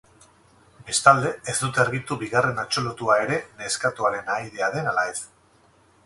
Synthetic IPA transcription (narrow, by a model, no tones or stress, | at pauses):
be̞st̪ald̪e̞ezd̪ut̪e̞ɾɣit̪uβiɣare̞nat͡ʃo̞lut̪uae̞ɾe̞ne̞skat̪uaɾe̞najðe̞aðe̞nalaes